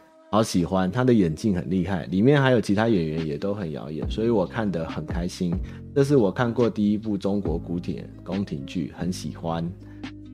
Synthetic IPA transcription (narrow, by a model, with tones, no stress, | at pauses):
hɑ˧˦ʊɕi˨˩xwa˦nt̪ʰa˥d̪ə˨jɛ˨˩nt͡ɕi˥˩ŋxə̰˨˩nli˥˧xa˥˩ɪli˨˩mjɛ˥˨nha˧˥ɪjo˨ʊt͡ɕʰi˨˦t̪ʰa˥ɥɛ˨˩nɥɛ˨˦njɛ˨˩t̪o˦˥ʊxə˨˩njɑ̰˧˥ʊjɛ̰˨˩nswɔ˧˥i˧˥wɔ˨˩kʰa˥˩nd̪ə˨xə˨˩nkʰa˦ɪɕi˦n | ʈ͡ʂɤ˥˧ʂ̬ɻ̩˥˩wɔ˨˩kʰa˥˧nkwɔ˥˧t̪i˥˩i˦pu˥˩ʈ͡ʂo˦ŋkwɔ˨˥ku˧˦t̪ʰjɛ̰˨˩nko˦ŋt̪ʰḭ˨˩ŋt͡ɕy̰˥˩xə˨˦nɕḭ˨˩xwa˦n